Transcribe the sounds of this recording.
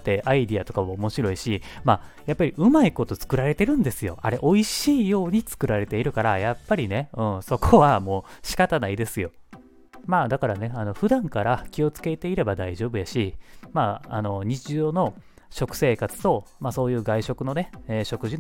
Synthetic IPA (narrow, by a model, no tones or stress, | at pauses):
t̪ːe̞ʔaid̪iat̪o̞kamoomo̞ɕiɾo̞iɕima | japːaɾʲiʔɯ̟maiko̞t̪o̞t͡sɨ̥kɯ̟ɾaɾe̞t̪e̞ɾɯ̟̃nd̪e̞sɨjo̞̰aɾe̞ʔo̞iɕiːjo̞ːɲ̟it͡sɨ̥kɯ̟ɾaɾe̞t̪e̞iɾɯ̟kaɾajapːaɾʲine̞ɯ̃ɴso̞kʰoβamo̞ːɕi̥kat̪anaid̪e̞sɨjo̞ | maːd̪akaɾane̞ano̞ɸɯ̟d̪ãŋkaɾakʲio̞t͡sɨ̥ke̞t̪e̞iɾe̞bad̪aiʑo̞ːbɯ̟jaɕima̰ːno̞ɲ̟it͡ɕiʑo̞ːno̞ | ɕo̞kɯ̟̥se̞ːkat͡sɨ̥t̪o̞maso̞ːjɯ̟ːɡaiɕo̞kɯ̟no̞ne̞eɕo̞kɯ̟ʑin